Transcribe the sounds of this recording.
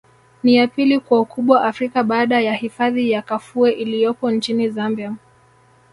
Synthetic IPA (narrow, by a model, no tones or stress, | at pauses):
nijapilikwaukʰuɓwaʔafɾikaɓaːɗajahifaðijakafuɛʔilijɔpɔnt͡ʃinizambiam